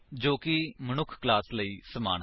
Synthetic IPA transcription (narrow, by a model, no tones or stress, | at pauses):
d͡ʒoːkɪmənʊkʰklaːsləiːsəma̰ːn